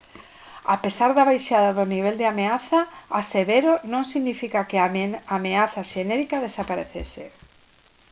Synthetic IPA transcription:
a̰pesaɾðaβajʃaðaðoniβ̞eld̪eameaθaːseβeɾonõŋsiɣnifikakeaameaθaʃenɛɾikaðesapaɾeθḛsḛ

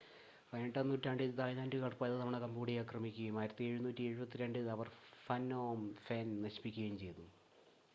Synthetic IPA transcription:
ʋeːɳʈɐnːuːtːaːɳɖid̪aːjnaːndɨkɐɽɐpːoːjɐðɨnɐmɐɳekɐmbuːɽijaːkrɐmikʲːuɣɐjumaːjɾɐt̪ːie̞ɻunuːtːie̞ɻubɐt̪ːiɾeɳɖɨðɐʋɐrfɐnːoːmfeːnnɐɕi̥pikʲːɣɐjumt͡ɕe̞jt̪um

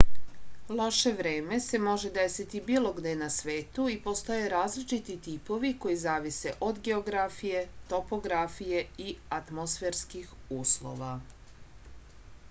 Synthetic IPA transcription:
lˠo̞ʃe̞ʋɾeːme̞se̞mo̞ʒe̞d̪e̞sit̪ibiːlˠo̞ɡd̪eenasʋe̞ːt̪uipo̞st̪o̞jeɾaːzlit͡ʃit̪it̪ipo̞ʋiko̞jizaːʋise̞ʔo̞d̪ɡe̞oɡɾafije̞t̪o̞po̞ɡɾafije̞iat̪mosfeɾskixuːslo̞̰ʋa

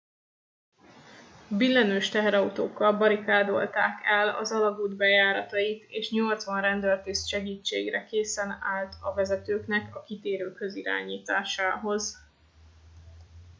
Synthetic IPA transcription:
bilːɛnøːʃt̪ɛɦɛɾɒut̪oːkːɒlbɒɾikaːd̪o̞̰lt̪aːkɛlɒ̰zɒlɒɡuːd̪bɛjaːɾɒt̪ɒjit̪eːʃɲo̞lt̪sʋɒnrɛnd̪ølt̪isʃɛɡiːt͡ʃːḛːɡrɛkeːsɛnaːlt̪ʰɒvɛzɛt̪øːknɛkɒkit̪eːɾøːkhøziɾa̰ːɲiːt̪aːʃaːɦo̞z

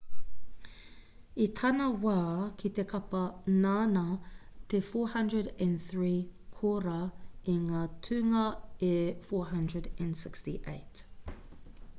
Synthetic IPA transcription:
it̪ʰɐnɐwaːkʰit̪ekʰɐpɐnaːnɐt̪efoːhɐ̃ndɹədɛ̃nθɹiːkʰoɾɐiŋaːtʰʉŋɐefoːɦɐ̃ndɹədɛ̃nsɪkstḭʔeɪt

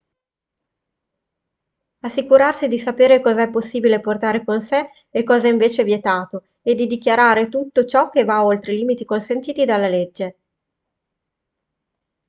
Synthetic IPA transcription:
asːikuɾarsid̪isapeːɾekɔːzaɛpːosːiːbileport̪aːɾekonseː | kːɔːzaiɱveːt͡ʃevjet̪aːt̪o | ed̪ːid̪ikjaɾaːɾet̪ut̪ːot͡ʃɔk̟ːevaolt̪ɾeliːmit̪ikonsent̪iːt̪id̪alːaled͡ʒːe

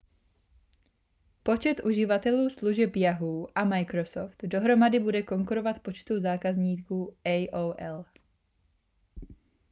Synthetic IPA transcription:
po̞t͡ʃɛt̪ʔuʒɪvat̪ɛluːsluʒɛpjaɦuːʔamajkɾo̞soft̪do̞ɦɾo̞madɪbudɛko̞ŋkuɾo̞vat̪po̞t͡ʃt̪uzaːkazɲiːkuːɛjʔowʔɛl

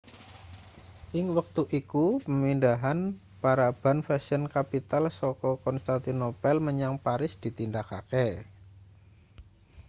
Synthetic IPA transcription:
ʔɪŋwək̚t̪uʔikupəmindaɦan | paɾab̥anfɛsənkapit̪alsɔkɔkɔnst̪ant̪inopɛlməɲaŋpaɾɪsd̪̥i̤t̪indakakɛ

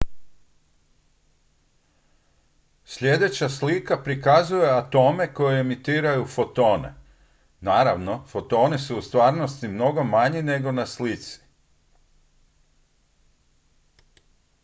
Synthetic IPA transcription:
sʎʲe̞d̪e̞t͡ɕaslikapɾikazuje̞at̪o̞ːme̞ko̞jeemit̪iːɾajufot̪o̞ːnḛ | naːɾaʋno̞fo̞t̪o̞ːnesuust̪ʋaːɾno̞st̪imno̞ɡomaɲine̞ɡo̞naslit̪si̥

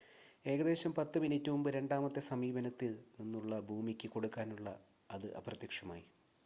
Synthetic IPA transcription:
e̞ːɣɐðe̞ːɕɐmpɐt̪ːɨminitːumumbɨɾe̞ɳɖaːmɐt̪ːe̞sɐmiːbɐnɐt̪ːilninːuɭːɐbʱuːmikʲːɨko̞ɽukːaːnuɭːɐ̰ | ɐðɨʔɐ̰prɐt̪jɐkʂɐma̰ːji

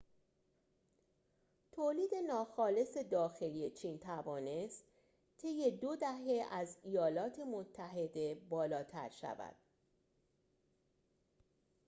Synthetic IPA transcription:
t̪ʰoːliːd̪e̞nɒːxɒːle̞se̞d̪ɒːxe̞lijet͡ʃʰiːnt̪ʰævɒːne̞st̪ | t̪ʰe̞jːe̞d̪o̞d̪æɦe̞æzijɒːlɒːt̪ʰe̞mo̞t̪ʰːæɦe̞d̪e̞bɒːlɒːt̪ʰæ̰ɾʃæ̰væ̰d̪̥

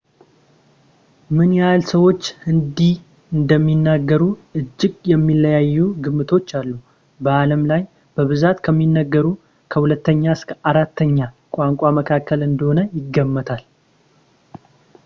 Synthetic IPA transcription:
mɨnjalsəwo̞t͡ʃːɨnd̪i | ɨnd̪əmːinːaɡːəɾuʔɨd͡ʒːɪɡjɛmːilːəjajːuɡɨmːɨt̪ʰo̞t͡ʃːalːu | bəaləmlaj | b̥əβɨzat̪kʰəmːinːəɡːəɾu | kʰəhulət̪ːəɲːaɨskʰəaɾat̪ːəɲːa | kʷʼaŋkʼaməkʰakʰːəlɨnd̪əho̞nəjɪɡːəmːət̪ʰal

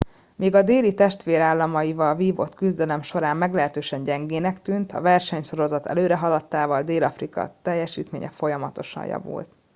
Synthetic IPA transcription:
meːɡɒd̪eːlit̪ɛʃt̪ʋeːɾaːlːɒmɒjivɒlviːvo̞̰t̪kyzd̪ɛlɛmʃo̞ɾaːmːɛɡlɛɦɛt̪øːʃɛɲɟɛŋɡeːnɛkt̪yːnt̪ʰɒ̰vɛrʃɛɲʃo̞ɾo̞zɒt̪ɛ̰løːɾɛɦɒlɒt̪ːaːvɒld̪eːlɒfrikɒ̰t̪ɛjːɛʃiːt̪mḛːɲɛ̰fo̞jɒmɒt̪o̞̰ʃɒ̰jjɒ̰vṵlt̪

